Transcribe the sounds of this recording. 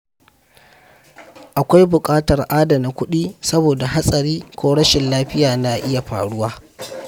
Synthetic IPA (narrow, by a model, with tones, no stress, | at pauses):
ʔa˨kʷa˦jbʊ˨kʼaː˦tɐ˨rʔaː˦da˨na˨kʷʊ˦ɗiː˦sɐ˦boː˨da˨ɦa˦sʼɐ˨ɾiː˦kʷoː˦ɽɐ˦ʃɪ˨nlaː˦ɸɪ˦jaː˨na˨ʔɪ˦ja˨ɸa̰ː˨ɽʊ˦waː˦